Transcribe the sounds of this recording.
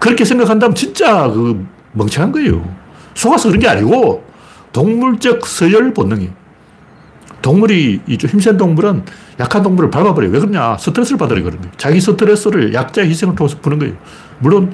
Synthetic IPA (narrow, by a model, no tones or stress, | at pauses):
kɯɾʌkʰesʰe̞ŋɡakʰandamɯnt͡ɕint͡ɕ͈akɯ | mʌŋt͡ɕʰaanɡʌejo̰sʰoɡasʰʌkɯɾʌnɡea̰ɲiɡo | toŋmuɭt͡ɕ͈ʌk̚s͈ʰɯjɯɭponːɯŋe | toŋmuɾiːt͡ɕoçimsʰendoŋmuɾɯnjakʰandoŋmuɾɯɭpaɭbabɯɾejo̰we̞kɯɾɯɲasʰɯtʰɯɾesʰɯɾɯɭpadɯɾjḛɡɯɾɯnɡejot͡ɕaɡisʰɯtʰɯɾes͈ʰɯɾɯɭjʔak̚t͡ɕ͈aeçʰisʰe̞ŋɯɭtʰoŋesʰɯ̥ponɯnɡʌḛjo | muɭːon